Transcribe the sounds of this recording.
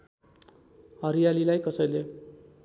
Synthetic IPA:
ɦʌɾijalilajkʌsʌjle

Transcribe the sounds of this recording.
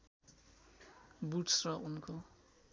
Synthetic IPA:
buʈsrʌʔunkʰo

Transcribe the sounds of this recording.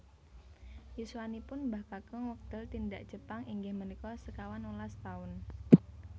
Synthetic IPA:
jiswanipʊnmbahkakəŋwək̚d̪̥əlt̪indaʔd̥ʒ̥əpaŋiŋɡɪhmənikɔsəkawanulast̪aʊn

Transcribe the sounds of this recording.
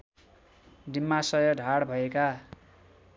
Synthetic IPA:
dimːasʌjʌɖʱaɽbʱʌeka

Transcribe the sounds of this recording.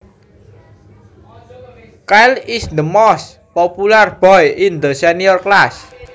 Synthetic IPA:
kalisnəmɔs | popularb̥ɔjʔind̪əsɛniɔrklas

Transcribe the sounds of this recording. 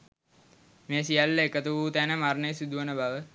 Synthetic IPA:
meːsijalːəekət̪uʋuːt̪ænəmarnəjsud̪uʋənəbaʋə

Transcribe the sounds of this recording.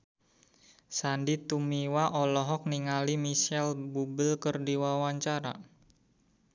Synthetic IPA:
sandit̪umiwaʔɔlɔɦɔk̚niŋalimisɛlbubəlkərdiwawaɲt͡ʃaɾa̰

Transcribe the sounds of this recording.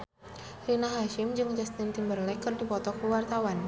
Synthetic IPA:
rinaɦaʃɪmd͡ʒɨŋd͡ʒɛst̪ɪnt̪imbərlɛkɨrdipɔt̪ɔkəwart̪awan

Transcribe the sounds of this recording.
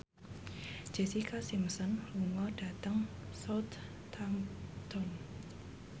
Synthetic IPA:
d͡ʒ̥esikasimsənluŋɔdat̪əŋsɔwt̪ʰː | amt̪ɔn

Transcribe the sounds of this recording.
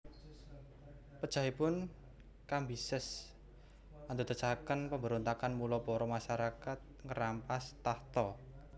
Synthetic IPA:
pəd̥ʒ̥a̤ɦipʊn | kambisəs | ant̪ut̪ə̥t͡ʃakənpəmbəɾɔnt̪akanmulɔpɔɾɔmaʃaɾakat̪̚ŋəɾampast̪aht̪ɔ

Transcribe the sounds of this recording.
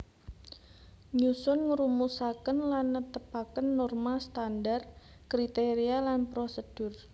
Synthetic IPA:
ɲusʊnŋəɾumusakənlanːət̪əpakənːɔrmast̪andar | kɾit̪eɾialanpɾosəd̥ʊr

